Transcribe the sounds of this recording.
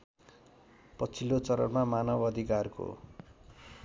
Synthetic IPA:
pʌt͡sʰilːot͡sʌɾʌ̰nmamanʌbʌd̪ʱikarko̰

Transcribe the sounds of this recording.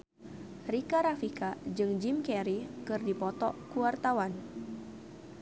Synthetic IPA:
rikaɾafikad͡ʒɨŋd͡ʒimkɛɾikɨrdipɔt̪ɔkuwart̪awan

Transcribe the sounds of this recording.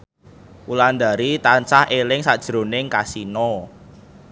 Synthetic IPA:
uland̪a̤ɾit̪ant͡ʃahelɪŋsad̥ʒ̥ɾo̤nɪŋkasinɔ

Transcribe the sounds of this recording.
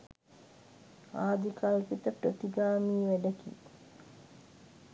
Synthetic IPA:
aːd̪ikalpit̪əpɾət̪iɡaːmiːʋæɖəkḭ

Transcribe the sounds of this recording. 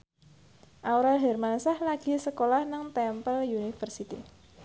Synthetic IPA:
ʔauɾalɦɛrmansahlaɡ̥i̤səkolahnaŋt̪ɛmpəljunifərsit̪ḭ

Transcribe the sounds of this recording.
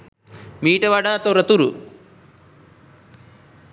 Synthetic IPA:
miːʈɐʋɐɽaːt̪oɾɐt̪uɾṵ

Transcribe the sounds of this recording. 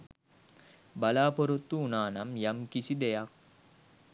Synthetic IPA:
balaːpoɾut̪ːuːnaːnamjamkisid̪ejak̚

